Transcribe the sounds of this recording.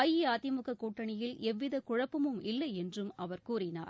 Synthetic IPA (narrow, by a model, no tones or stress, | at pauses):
ajiaːt̪ɪmɯkɐkːuːʈːɐɳɪjɪlɛʋːɪðɐkʊɻɐpːɯmɯmɪlːɐɪɛndrɯmɐʋɐɾkuːrɪna̰ː